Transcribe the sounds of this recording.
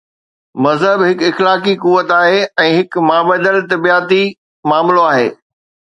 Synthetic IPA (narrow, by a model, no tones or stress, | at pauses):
mɐzɦəbɦɪkɪxlaːkikuʋət̪aːɦeɛ̃ːɦɪkmaːbəd̪əlt̪ɐbijaːt̪i | maːmloaːɦḛː